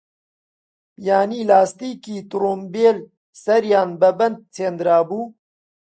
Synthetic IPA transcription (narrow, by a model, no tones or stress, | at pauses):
jaːniːlaːst̪iːkiːt̪ɾoːmbeːl | sɐɾjɑːnbɐbɐnd̪̚t͡sʰeːnd̪ɾaːbuː